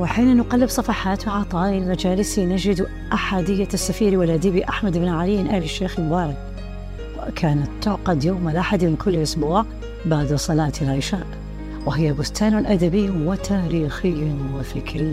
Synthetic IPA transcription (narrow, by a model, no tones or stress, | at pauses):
wɪħiːnanʊqɑlːɪbsˤɑfɑħaːt̪wɪʕɑt̪ˤɑːʔɪlmad͡ʒaːlɪsinad͡ʒɪd̪ | ʔaħad̪ɪjːasːafiːɾiwalʔad̪iːbiʔaħmad̪ɪbnʕaliːɪnʔahlɪʃːeːxlmʊbɑːɾˤɑd̪ | kʰaːnat̪ːʊʕqɑd̪joːmalʔaħad̪mɪnkʰʊlːʔʊsbuːʕ | baʕd̪sˤɑlaːt̪ɪlʕɪʃaːʔ | wɪɦɪjːabʊst̪aːnʊlʔad̪abɪjːwɪt̪ʰaːɾiːxɪjːʊwɪfɪkɾɪː